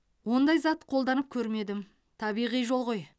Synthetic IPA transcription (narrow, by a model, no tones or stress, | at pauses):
wo̞nd̪ɑjzɑt̪qʰo̞lˠd̪ɑnəp̚kʲʰɵɾme̞d̪ɪm | t̪ʰɑbijʁijʒo̞lˠʁoj